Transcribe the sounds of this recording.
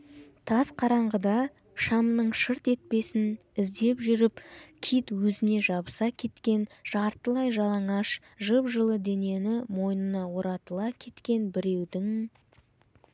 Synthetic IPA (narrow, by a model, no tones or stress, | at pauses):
t̪ʰɑzqʰɑɾɑɴʁəd̪ɑ | ʃɑmnəɴʃəɾt̪e̞t̪̚pe̞sɪn | ɪzd̪e̞pʒʏɾɪpkʲʰijt̪wɵzɪne̞ʒɑbəsɑkʲʰe̞t̪kʲe̞nʒ̥ɑɾt̪əlˠɑjʒɑlˠɑɴɑʃ | ʒəpʒəlˠəd̪e̞ne̞nɪmo̞jnənɑwo̞ɾɑt̪əlˠɑkʲʰe̞t̪kʲe̞nbɪɾe̞wd̪ɪŋ